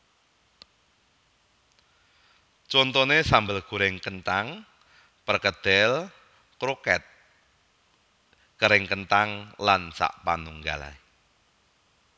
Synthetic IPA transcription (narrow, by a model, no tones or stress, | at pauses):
t͡ʃɔnt̪ɔnesambəlɡ̥ṳɾɪŋkənt̪aŋ | pərkəd̪̥ɛl | kɾokɛt̪̚ | kəɾɪŋkənt̪aŋlansa̰ʔpanuŋɡala̰